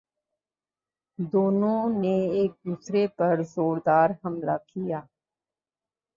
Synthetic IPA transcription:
d̪oːnõneeːk̚d̪uːsɾepɐɾzoːɾd̪aːɾɦɐmlakijaː

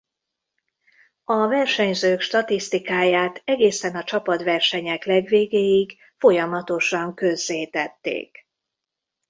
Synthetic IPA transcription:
ɒvɛrʃɛɲzøːkʃt̪ɒt̪ist̪ikaːjaːt̪ɛɡeːsɛnɒt͡ʃɒpɒt̪vɛrʃɛɲɛklɛɡveːɡeːjiɡ | fo̞jɒmɒt̪o̞ʃɒŋkø̞zːeːt̪ɛt̪ːḛːk

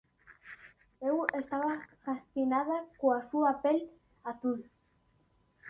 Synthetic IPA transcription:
ewest̪aβafast̪inaðakoasuapel | at̪uð

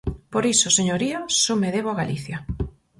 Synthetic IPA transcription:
poɾisʊseɲoɾiasomeðeβoaɣaliθjɐ

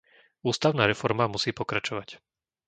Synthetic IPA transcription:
uːst̪aʊnaːɾɛfɔɾmamusiːpɔkɾat͡ʃɔʋac

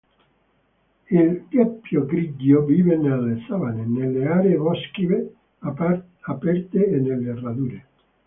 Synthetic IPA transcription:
ilkjapːjoɡɾiɟoviːvenelːesavanenelːeaːɾevɔskive | apɛrt̪eːnːelːerad̪uːɾe

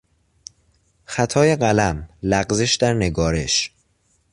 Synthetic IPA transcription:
xæt̪ʰɒːjeɢælæmlæɢzeʃd̪æɾne̞ɡɒːɾe̞ʃ

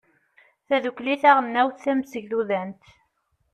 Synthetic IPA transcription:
θæðukliθæʁənːæwθθæmsəʝðuðænt̪

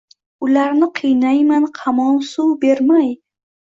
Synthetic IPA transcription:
ʊlaɾnɪqʰɨjnajmanqʰɑmɒnsuwbe̞ɾmaj

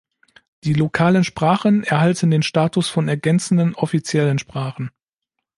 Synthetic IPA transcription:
d̥iːlokʰaːlənʃpʁ̥aːχənɛɐɦaltəndeːnʃtaːtʊsfɔnɛɐɡɛnt͡sn̩dənɔfit͡sjɛlənʃpʁ̥aːχn̩

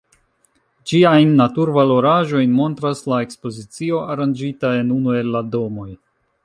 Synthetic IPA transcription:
d͡ʒiajnːatuɾvalo̞ɾaʒo̞jnmo̞ntɾaslae̞kspo̞zit͡sio̞ʔaɾand͡ʒitae̞nunue̞lːado̞mo̞j

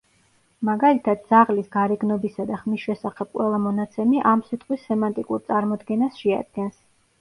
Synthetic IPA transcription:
maɡalit̪ʰad̪̥̚d̪z̥aʁlisɡaɾɛɡnɔbisad̪aχmisʃɛsaχɛb̥̚qʼwɛlˠamɔnat̪sʰɛmiʔamsit̪ʼqʼwisːɛmant̪ʼikʼuɾt̪sʼaɾmɔd̪ɡɛnasʃɛa̰d̪̚ɡɛns

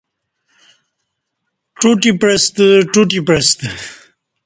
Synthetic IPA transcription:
ʈuʈipɾest̪əʈuʈipɾest̪

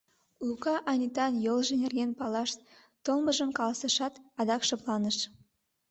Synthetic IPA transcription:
lukɑʔɑnʲit̪ɑnjolʒə̆nerɣenpɑlɑʃ | t̪olməʒə̆mkɑlɑsɑʃɑt̪ɑd̪ɑkʃɤ̆plˠɑnəʃ

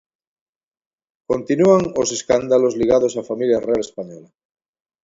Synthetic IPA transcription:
kõnt̪inuaŋoseskand̪alozliɣ̞að̞osafamiljarealespaɲɔla

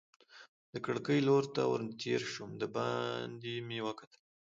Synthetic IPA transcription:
d̪əkəɽkəjloɾt̪a̰wə̰ɾt̪ʰḛɾʃumd̪əbɑnd̪imiwakat̪əl

